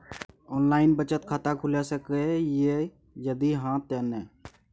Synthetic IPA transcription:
ɔːnlaːɪnbət͡ʃət̪kʰaːt̪akʰʊlasəkeje | jəd̪iɦãt̪ɛnɛ

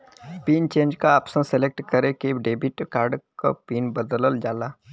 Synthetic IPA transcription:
piːnt͡ʃẽːnd͡ʒkaːpsə̃nselek̚ʈkəɾekeɖeːbɪʈkaːɾɖka̰piːnbəd̪ləld͡ʒaːlaː

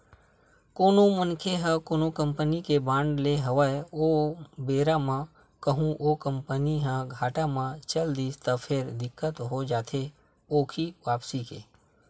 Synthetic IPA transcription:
koːnõmənkʰeɦə̃koːnokə̃mpənikebãːɳɖleɦəʋəeoːbeːɾamã | kəɦũʔoːkə̃mpəniɦə̃ɡʱaːʈamãt͡ʃəld̪iːst̪əpʰɪɾd̪ɪkːət̪ɦod͡ʒaːt̪ʰe | oːkʰiʋaːpsikḛː

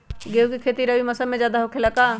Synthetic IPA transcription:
ɡeːukikʰeːt̪iɾɐʋimɐsəmẽd͡ʒjaːd̪aɦokʰelɐkaː

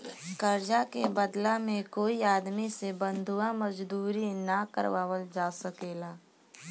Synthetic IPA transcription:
kəɾd͡ʒakebəd̪lamẽkoːiaːd̪misebə̃nd̪ʱuãməd͡ʒd̪uːɾinakə̰ɾʋaːwəld͡ʒaːsəkeːlaː

